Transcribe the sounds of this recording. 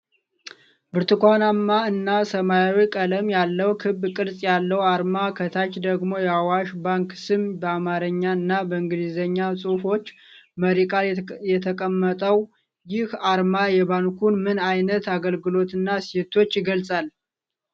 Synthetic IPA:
bɨɾt̪ɨkʷanamːaɨnːasəmajawikʼələmjalːəwkʰɨbkʼɨɾsʼjalːəwaɾmakʰət̪ʰat͡ʃd̪əɡmo̞jɛawaʃbaŋksɨmbəamaɾəɲːaɨnːabəɨŋɡɨd̪izəɲːasʼufo̞t͡ʃː | məɾikʼaljɛt̪ʰəkʼəmːət̪ʼəw | jɪhaɾmajɛβaŋkʰunmɨnajnət̪aɡəlɡɨlo̞t̪ɨnːaset̪ʰo̞t͡ʃːjɪɡəlsʼal

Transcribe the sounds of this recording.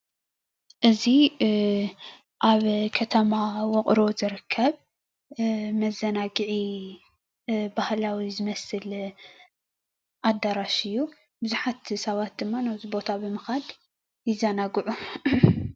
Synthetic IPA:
ʔɨzi | ʔaβkʰɐt̪ʰɐmawɔkʼɾo̞zɨɾɨkʰːɐβ | mɐzːɐnaɡɨʕi | bahlawizɨmɐsɨl | ʔad̪ːaɾaʃɨjːu | bɨzuħat̪sɐβat̪̚d̪ɨmːanawzibo̞t̪ʰabɨmɐxad̪ | jɪzɐnaɡɨʕu

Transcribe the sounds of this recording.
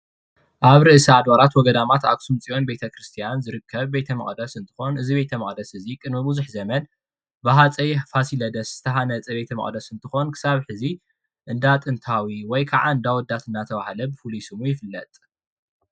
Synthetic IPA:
ʔaβɾɨʔɨsiad̪βaɾat̪wɔɡɐd̪amat̪a̰ksumt͡sʼijo̞nbe̞t̪ʰɐkɾɨst̪ʰijanzɨɾɨkʰːɐβbe̞t̪ʰɐmɐ̰χʼd̪ɐsɨnt̪ʰɨ̥xo̞nʔɨziβe̞t̪ʰɐmɐχʼd̪ɐsɨzikʼɨnmɨbuzuħzɐmɐn | bɨɦat͡sʼɐjfasilɐd̪ɐsz̥ɨt̪ʰɐɦanɐt͡sʼɐbe̞t̪ʰɐmɐ̰χʼd̪ɐsɨnt̪ʰɨxo̞nkʰɨ̥saβħɨzi | ʔɨnd̪at̪ʼɨnt̪ʰawiwɔjkʰaʕaɨnd̪awɔd̪at̪ɨnːat̪ʰɐβahlɐbɨfɨlujsɨmujɪfɨlːɐt̪ʼ

